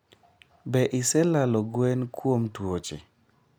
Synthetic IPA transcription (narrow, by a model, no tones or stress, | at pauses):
bɛʔɪsɛlalɔɡwɛnkwomtwot͡ʃḛ